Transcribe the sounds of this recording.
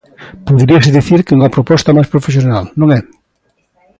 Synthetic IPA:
poðɾiɐsɪðiθiɾkeuŋɐpɾopɔst̪ɐmajspɾofes̬jonalnõŋɛ

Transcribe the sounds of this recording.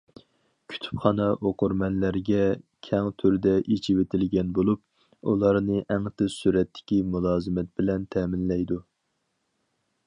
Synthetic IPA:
kʲʰy̥t̪ʰy̥pχɑnɑʔoqʊɾmɛnlæɾɡʲɛkʲʰɛŋt̪ʰyɾd̪ɛʔit͡ʃʰiwet̪ʰɪlɡʲɛnbolˠup̚ | ṵlˠɑɾnɨʔæŋt̪ɪzsyɾɛt̪ːɪ̥kʲimulˠɑːzɨmɛt̪̚bɪlɛnt̪ʰɛːmɪnlɛjd̪u

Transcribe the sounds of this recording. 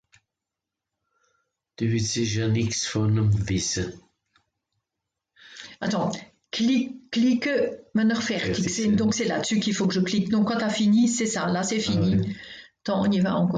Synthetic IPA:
d̪̥yviseʒaniksfɔnəmvisə | at̪ɑ̃ | klilikəmənəʁfɛʁt̪isɛd̪ɔ̃ksɛla̰sykilfokəʒəklik̚d̪ɔ̃kːɑ̃t̪afinisɛsalasɛfini | t̪ɑ̃ɔ̰̃niva̰ɑ̃kɔ

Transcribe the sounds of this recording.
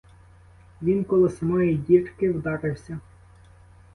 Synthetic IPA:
ʋʲinkɔlˠɪsɐmɑjidʲirkɪwd̪ɑɾɪwsʲɐ

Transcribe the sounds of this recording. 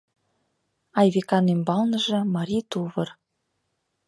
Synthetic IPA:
ɑjβekɑnembɑlnɤ̆ʒɤ̆mɑɾʲit̪uβɤ̆r

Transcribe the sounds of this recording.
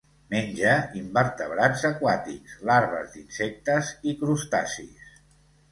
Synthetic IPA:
menʲd͡ʒəimbəɾt̪əβɾazəkwat̪ikz̥laɾβə̰zd̪insek̚t̪əzikɾust̪asḭs

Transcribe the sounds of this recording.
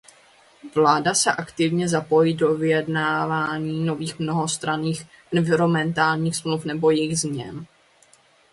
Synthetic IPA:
vlaːdasɛʔakt̪ɪvɲɛzapo̞jido̞vɪjɛdnaːvaːɲiːno̞viːxmno̞ɦo̞st̪ɾaniːx | ʔɛnvɪɾo̞mɛnt̪aːlɲiːxsmlufnɛbo̞jɛjɣzmɲɛ̰n

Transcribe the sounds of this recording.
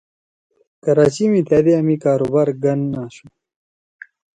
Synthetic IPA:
kɐɾaːt͡ɕimit̪ʰaːd̪eɐmikaːɾubaːɾɡɐnːaːɕu

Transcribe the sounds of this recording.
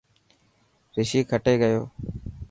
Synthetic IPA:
ɾɪʃiːkʰəʈeːɡəjo̰ː

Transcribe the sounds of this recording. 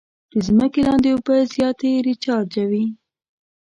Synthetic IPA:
d̪̥əzməkelɑnd̪eobəzjɑt̪eɾit͡ʃɑɾd͡ʒawi

